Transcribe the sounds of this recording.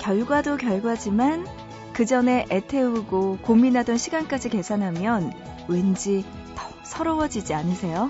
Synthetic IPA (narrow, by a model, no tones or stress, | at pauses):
kjʌɭɡwadokjʌɭɡwad͡ʑiman | kɯd͡ʑʌne̞ʔetʰe̞uɡokominɦadʌnɕʰiɡank͈ad͡ʑike̞sʰanɦamjʌn | wend͡ʑi | tʌ | sʰʌɾʌwʌd͡ʑid͡ʑianɯsʰe̞jo